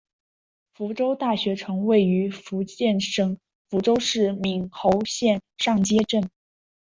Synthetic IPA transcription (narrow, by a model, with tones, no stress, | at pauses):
fu˧˥ʈ͡ʂo˥ʊt̪a˥˩ɕɥɛ˧˥ʈ͡ʂʰɤ˧˥ŋwe˥˩ɪy˧˥fu˧˥t͡ɕjɛ˥˩nʂɤ˥ŋ | fu˧˥ʈ͡ʂo˥ʊʂɻ̩˥˩mi˨˩ŋxo˧˥ʊɕjɛ˥˧nʂɑ˥˩ŋt͡ɕjɛ˥ʈ͡ʂə˥˩n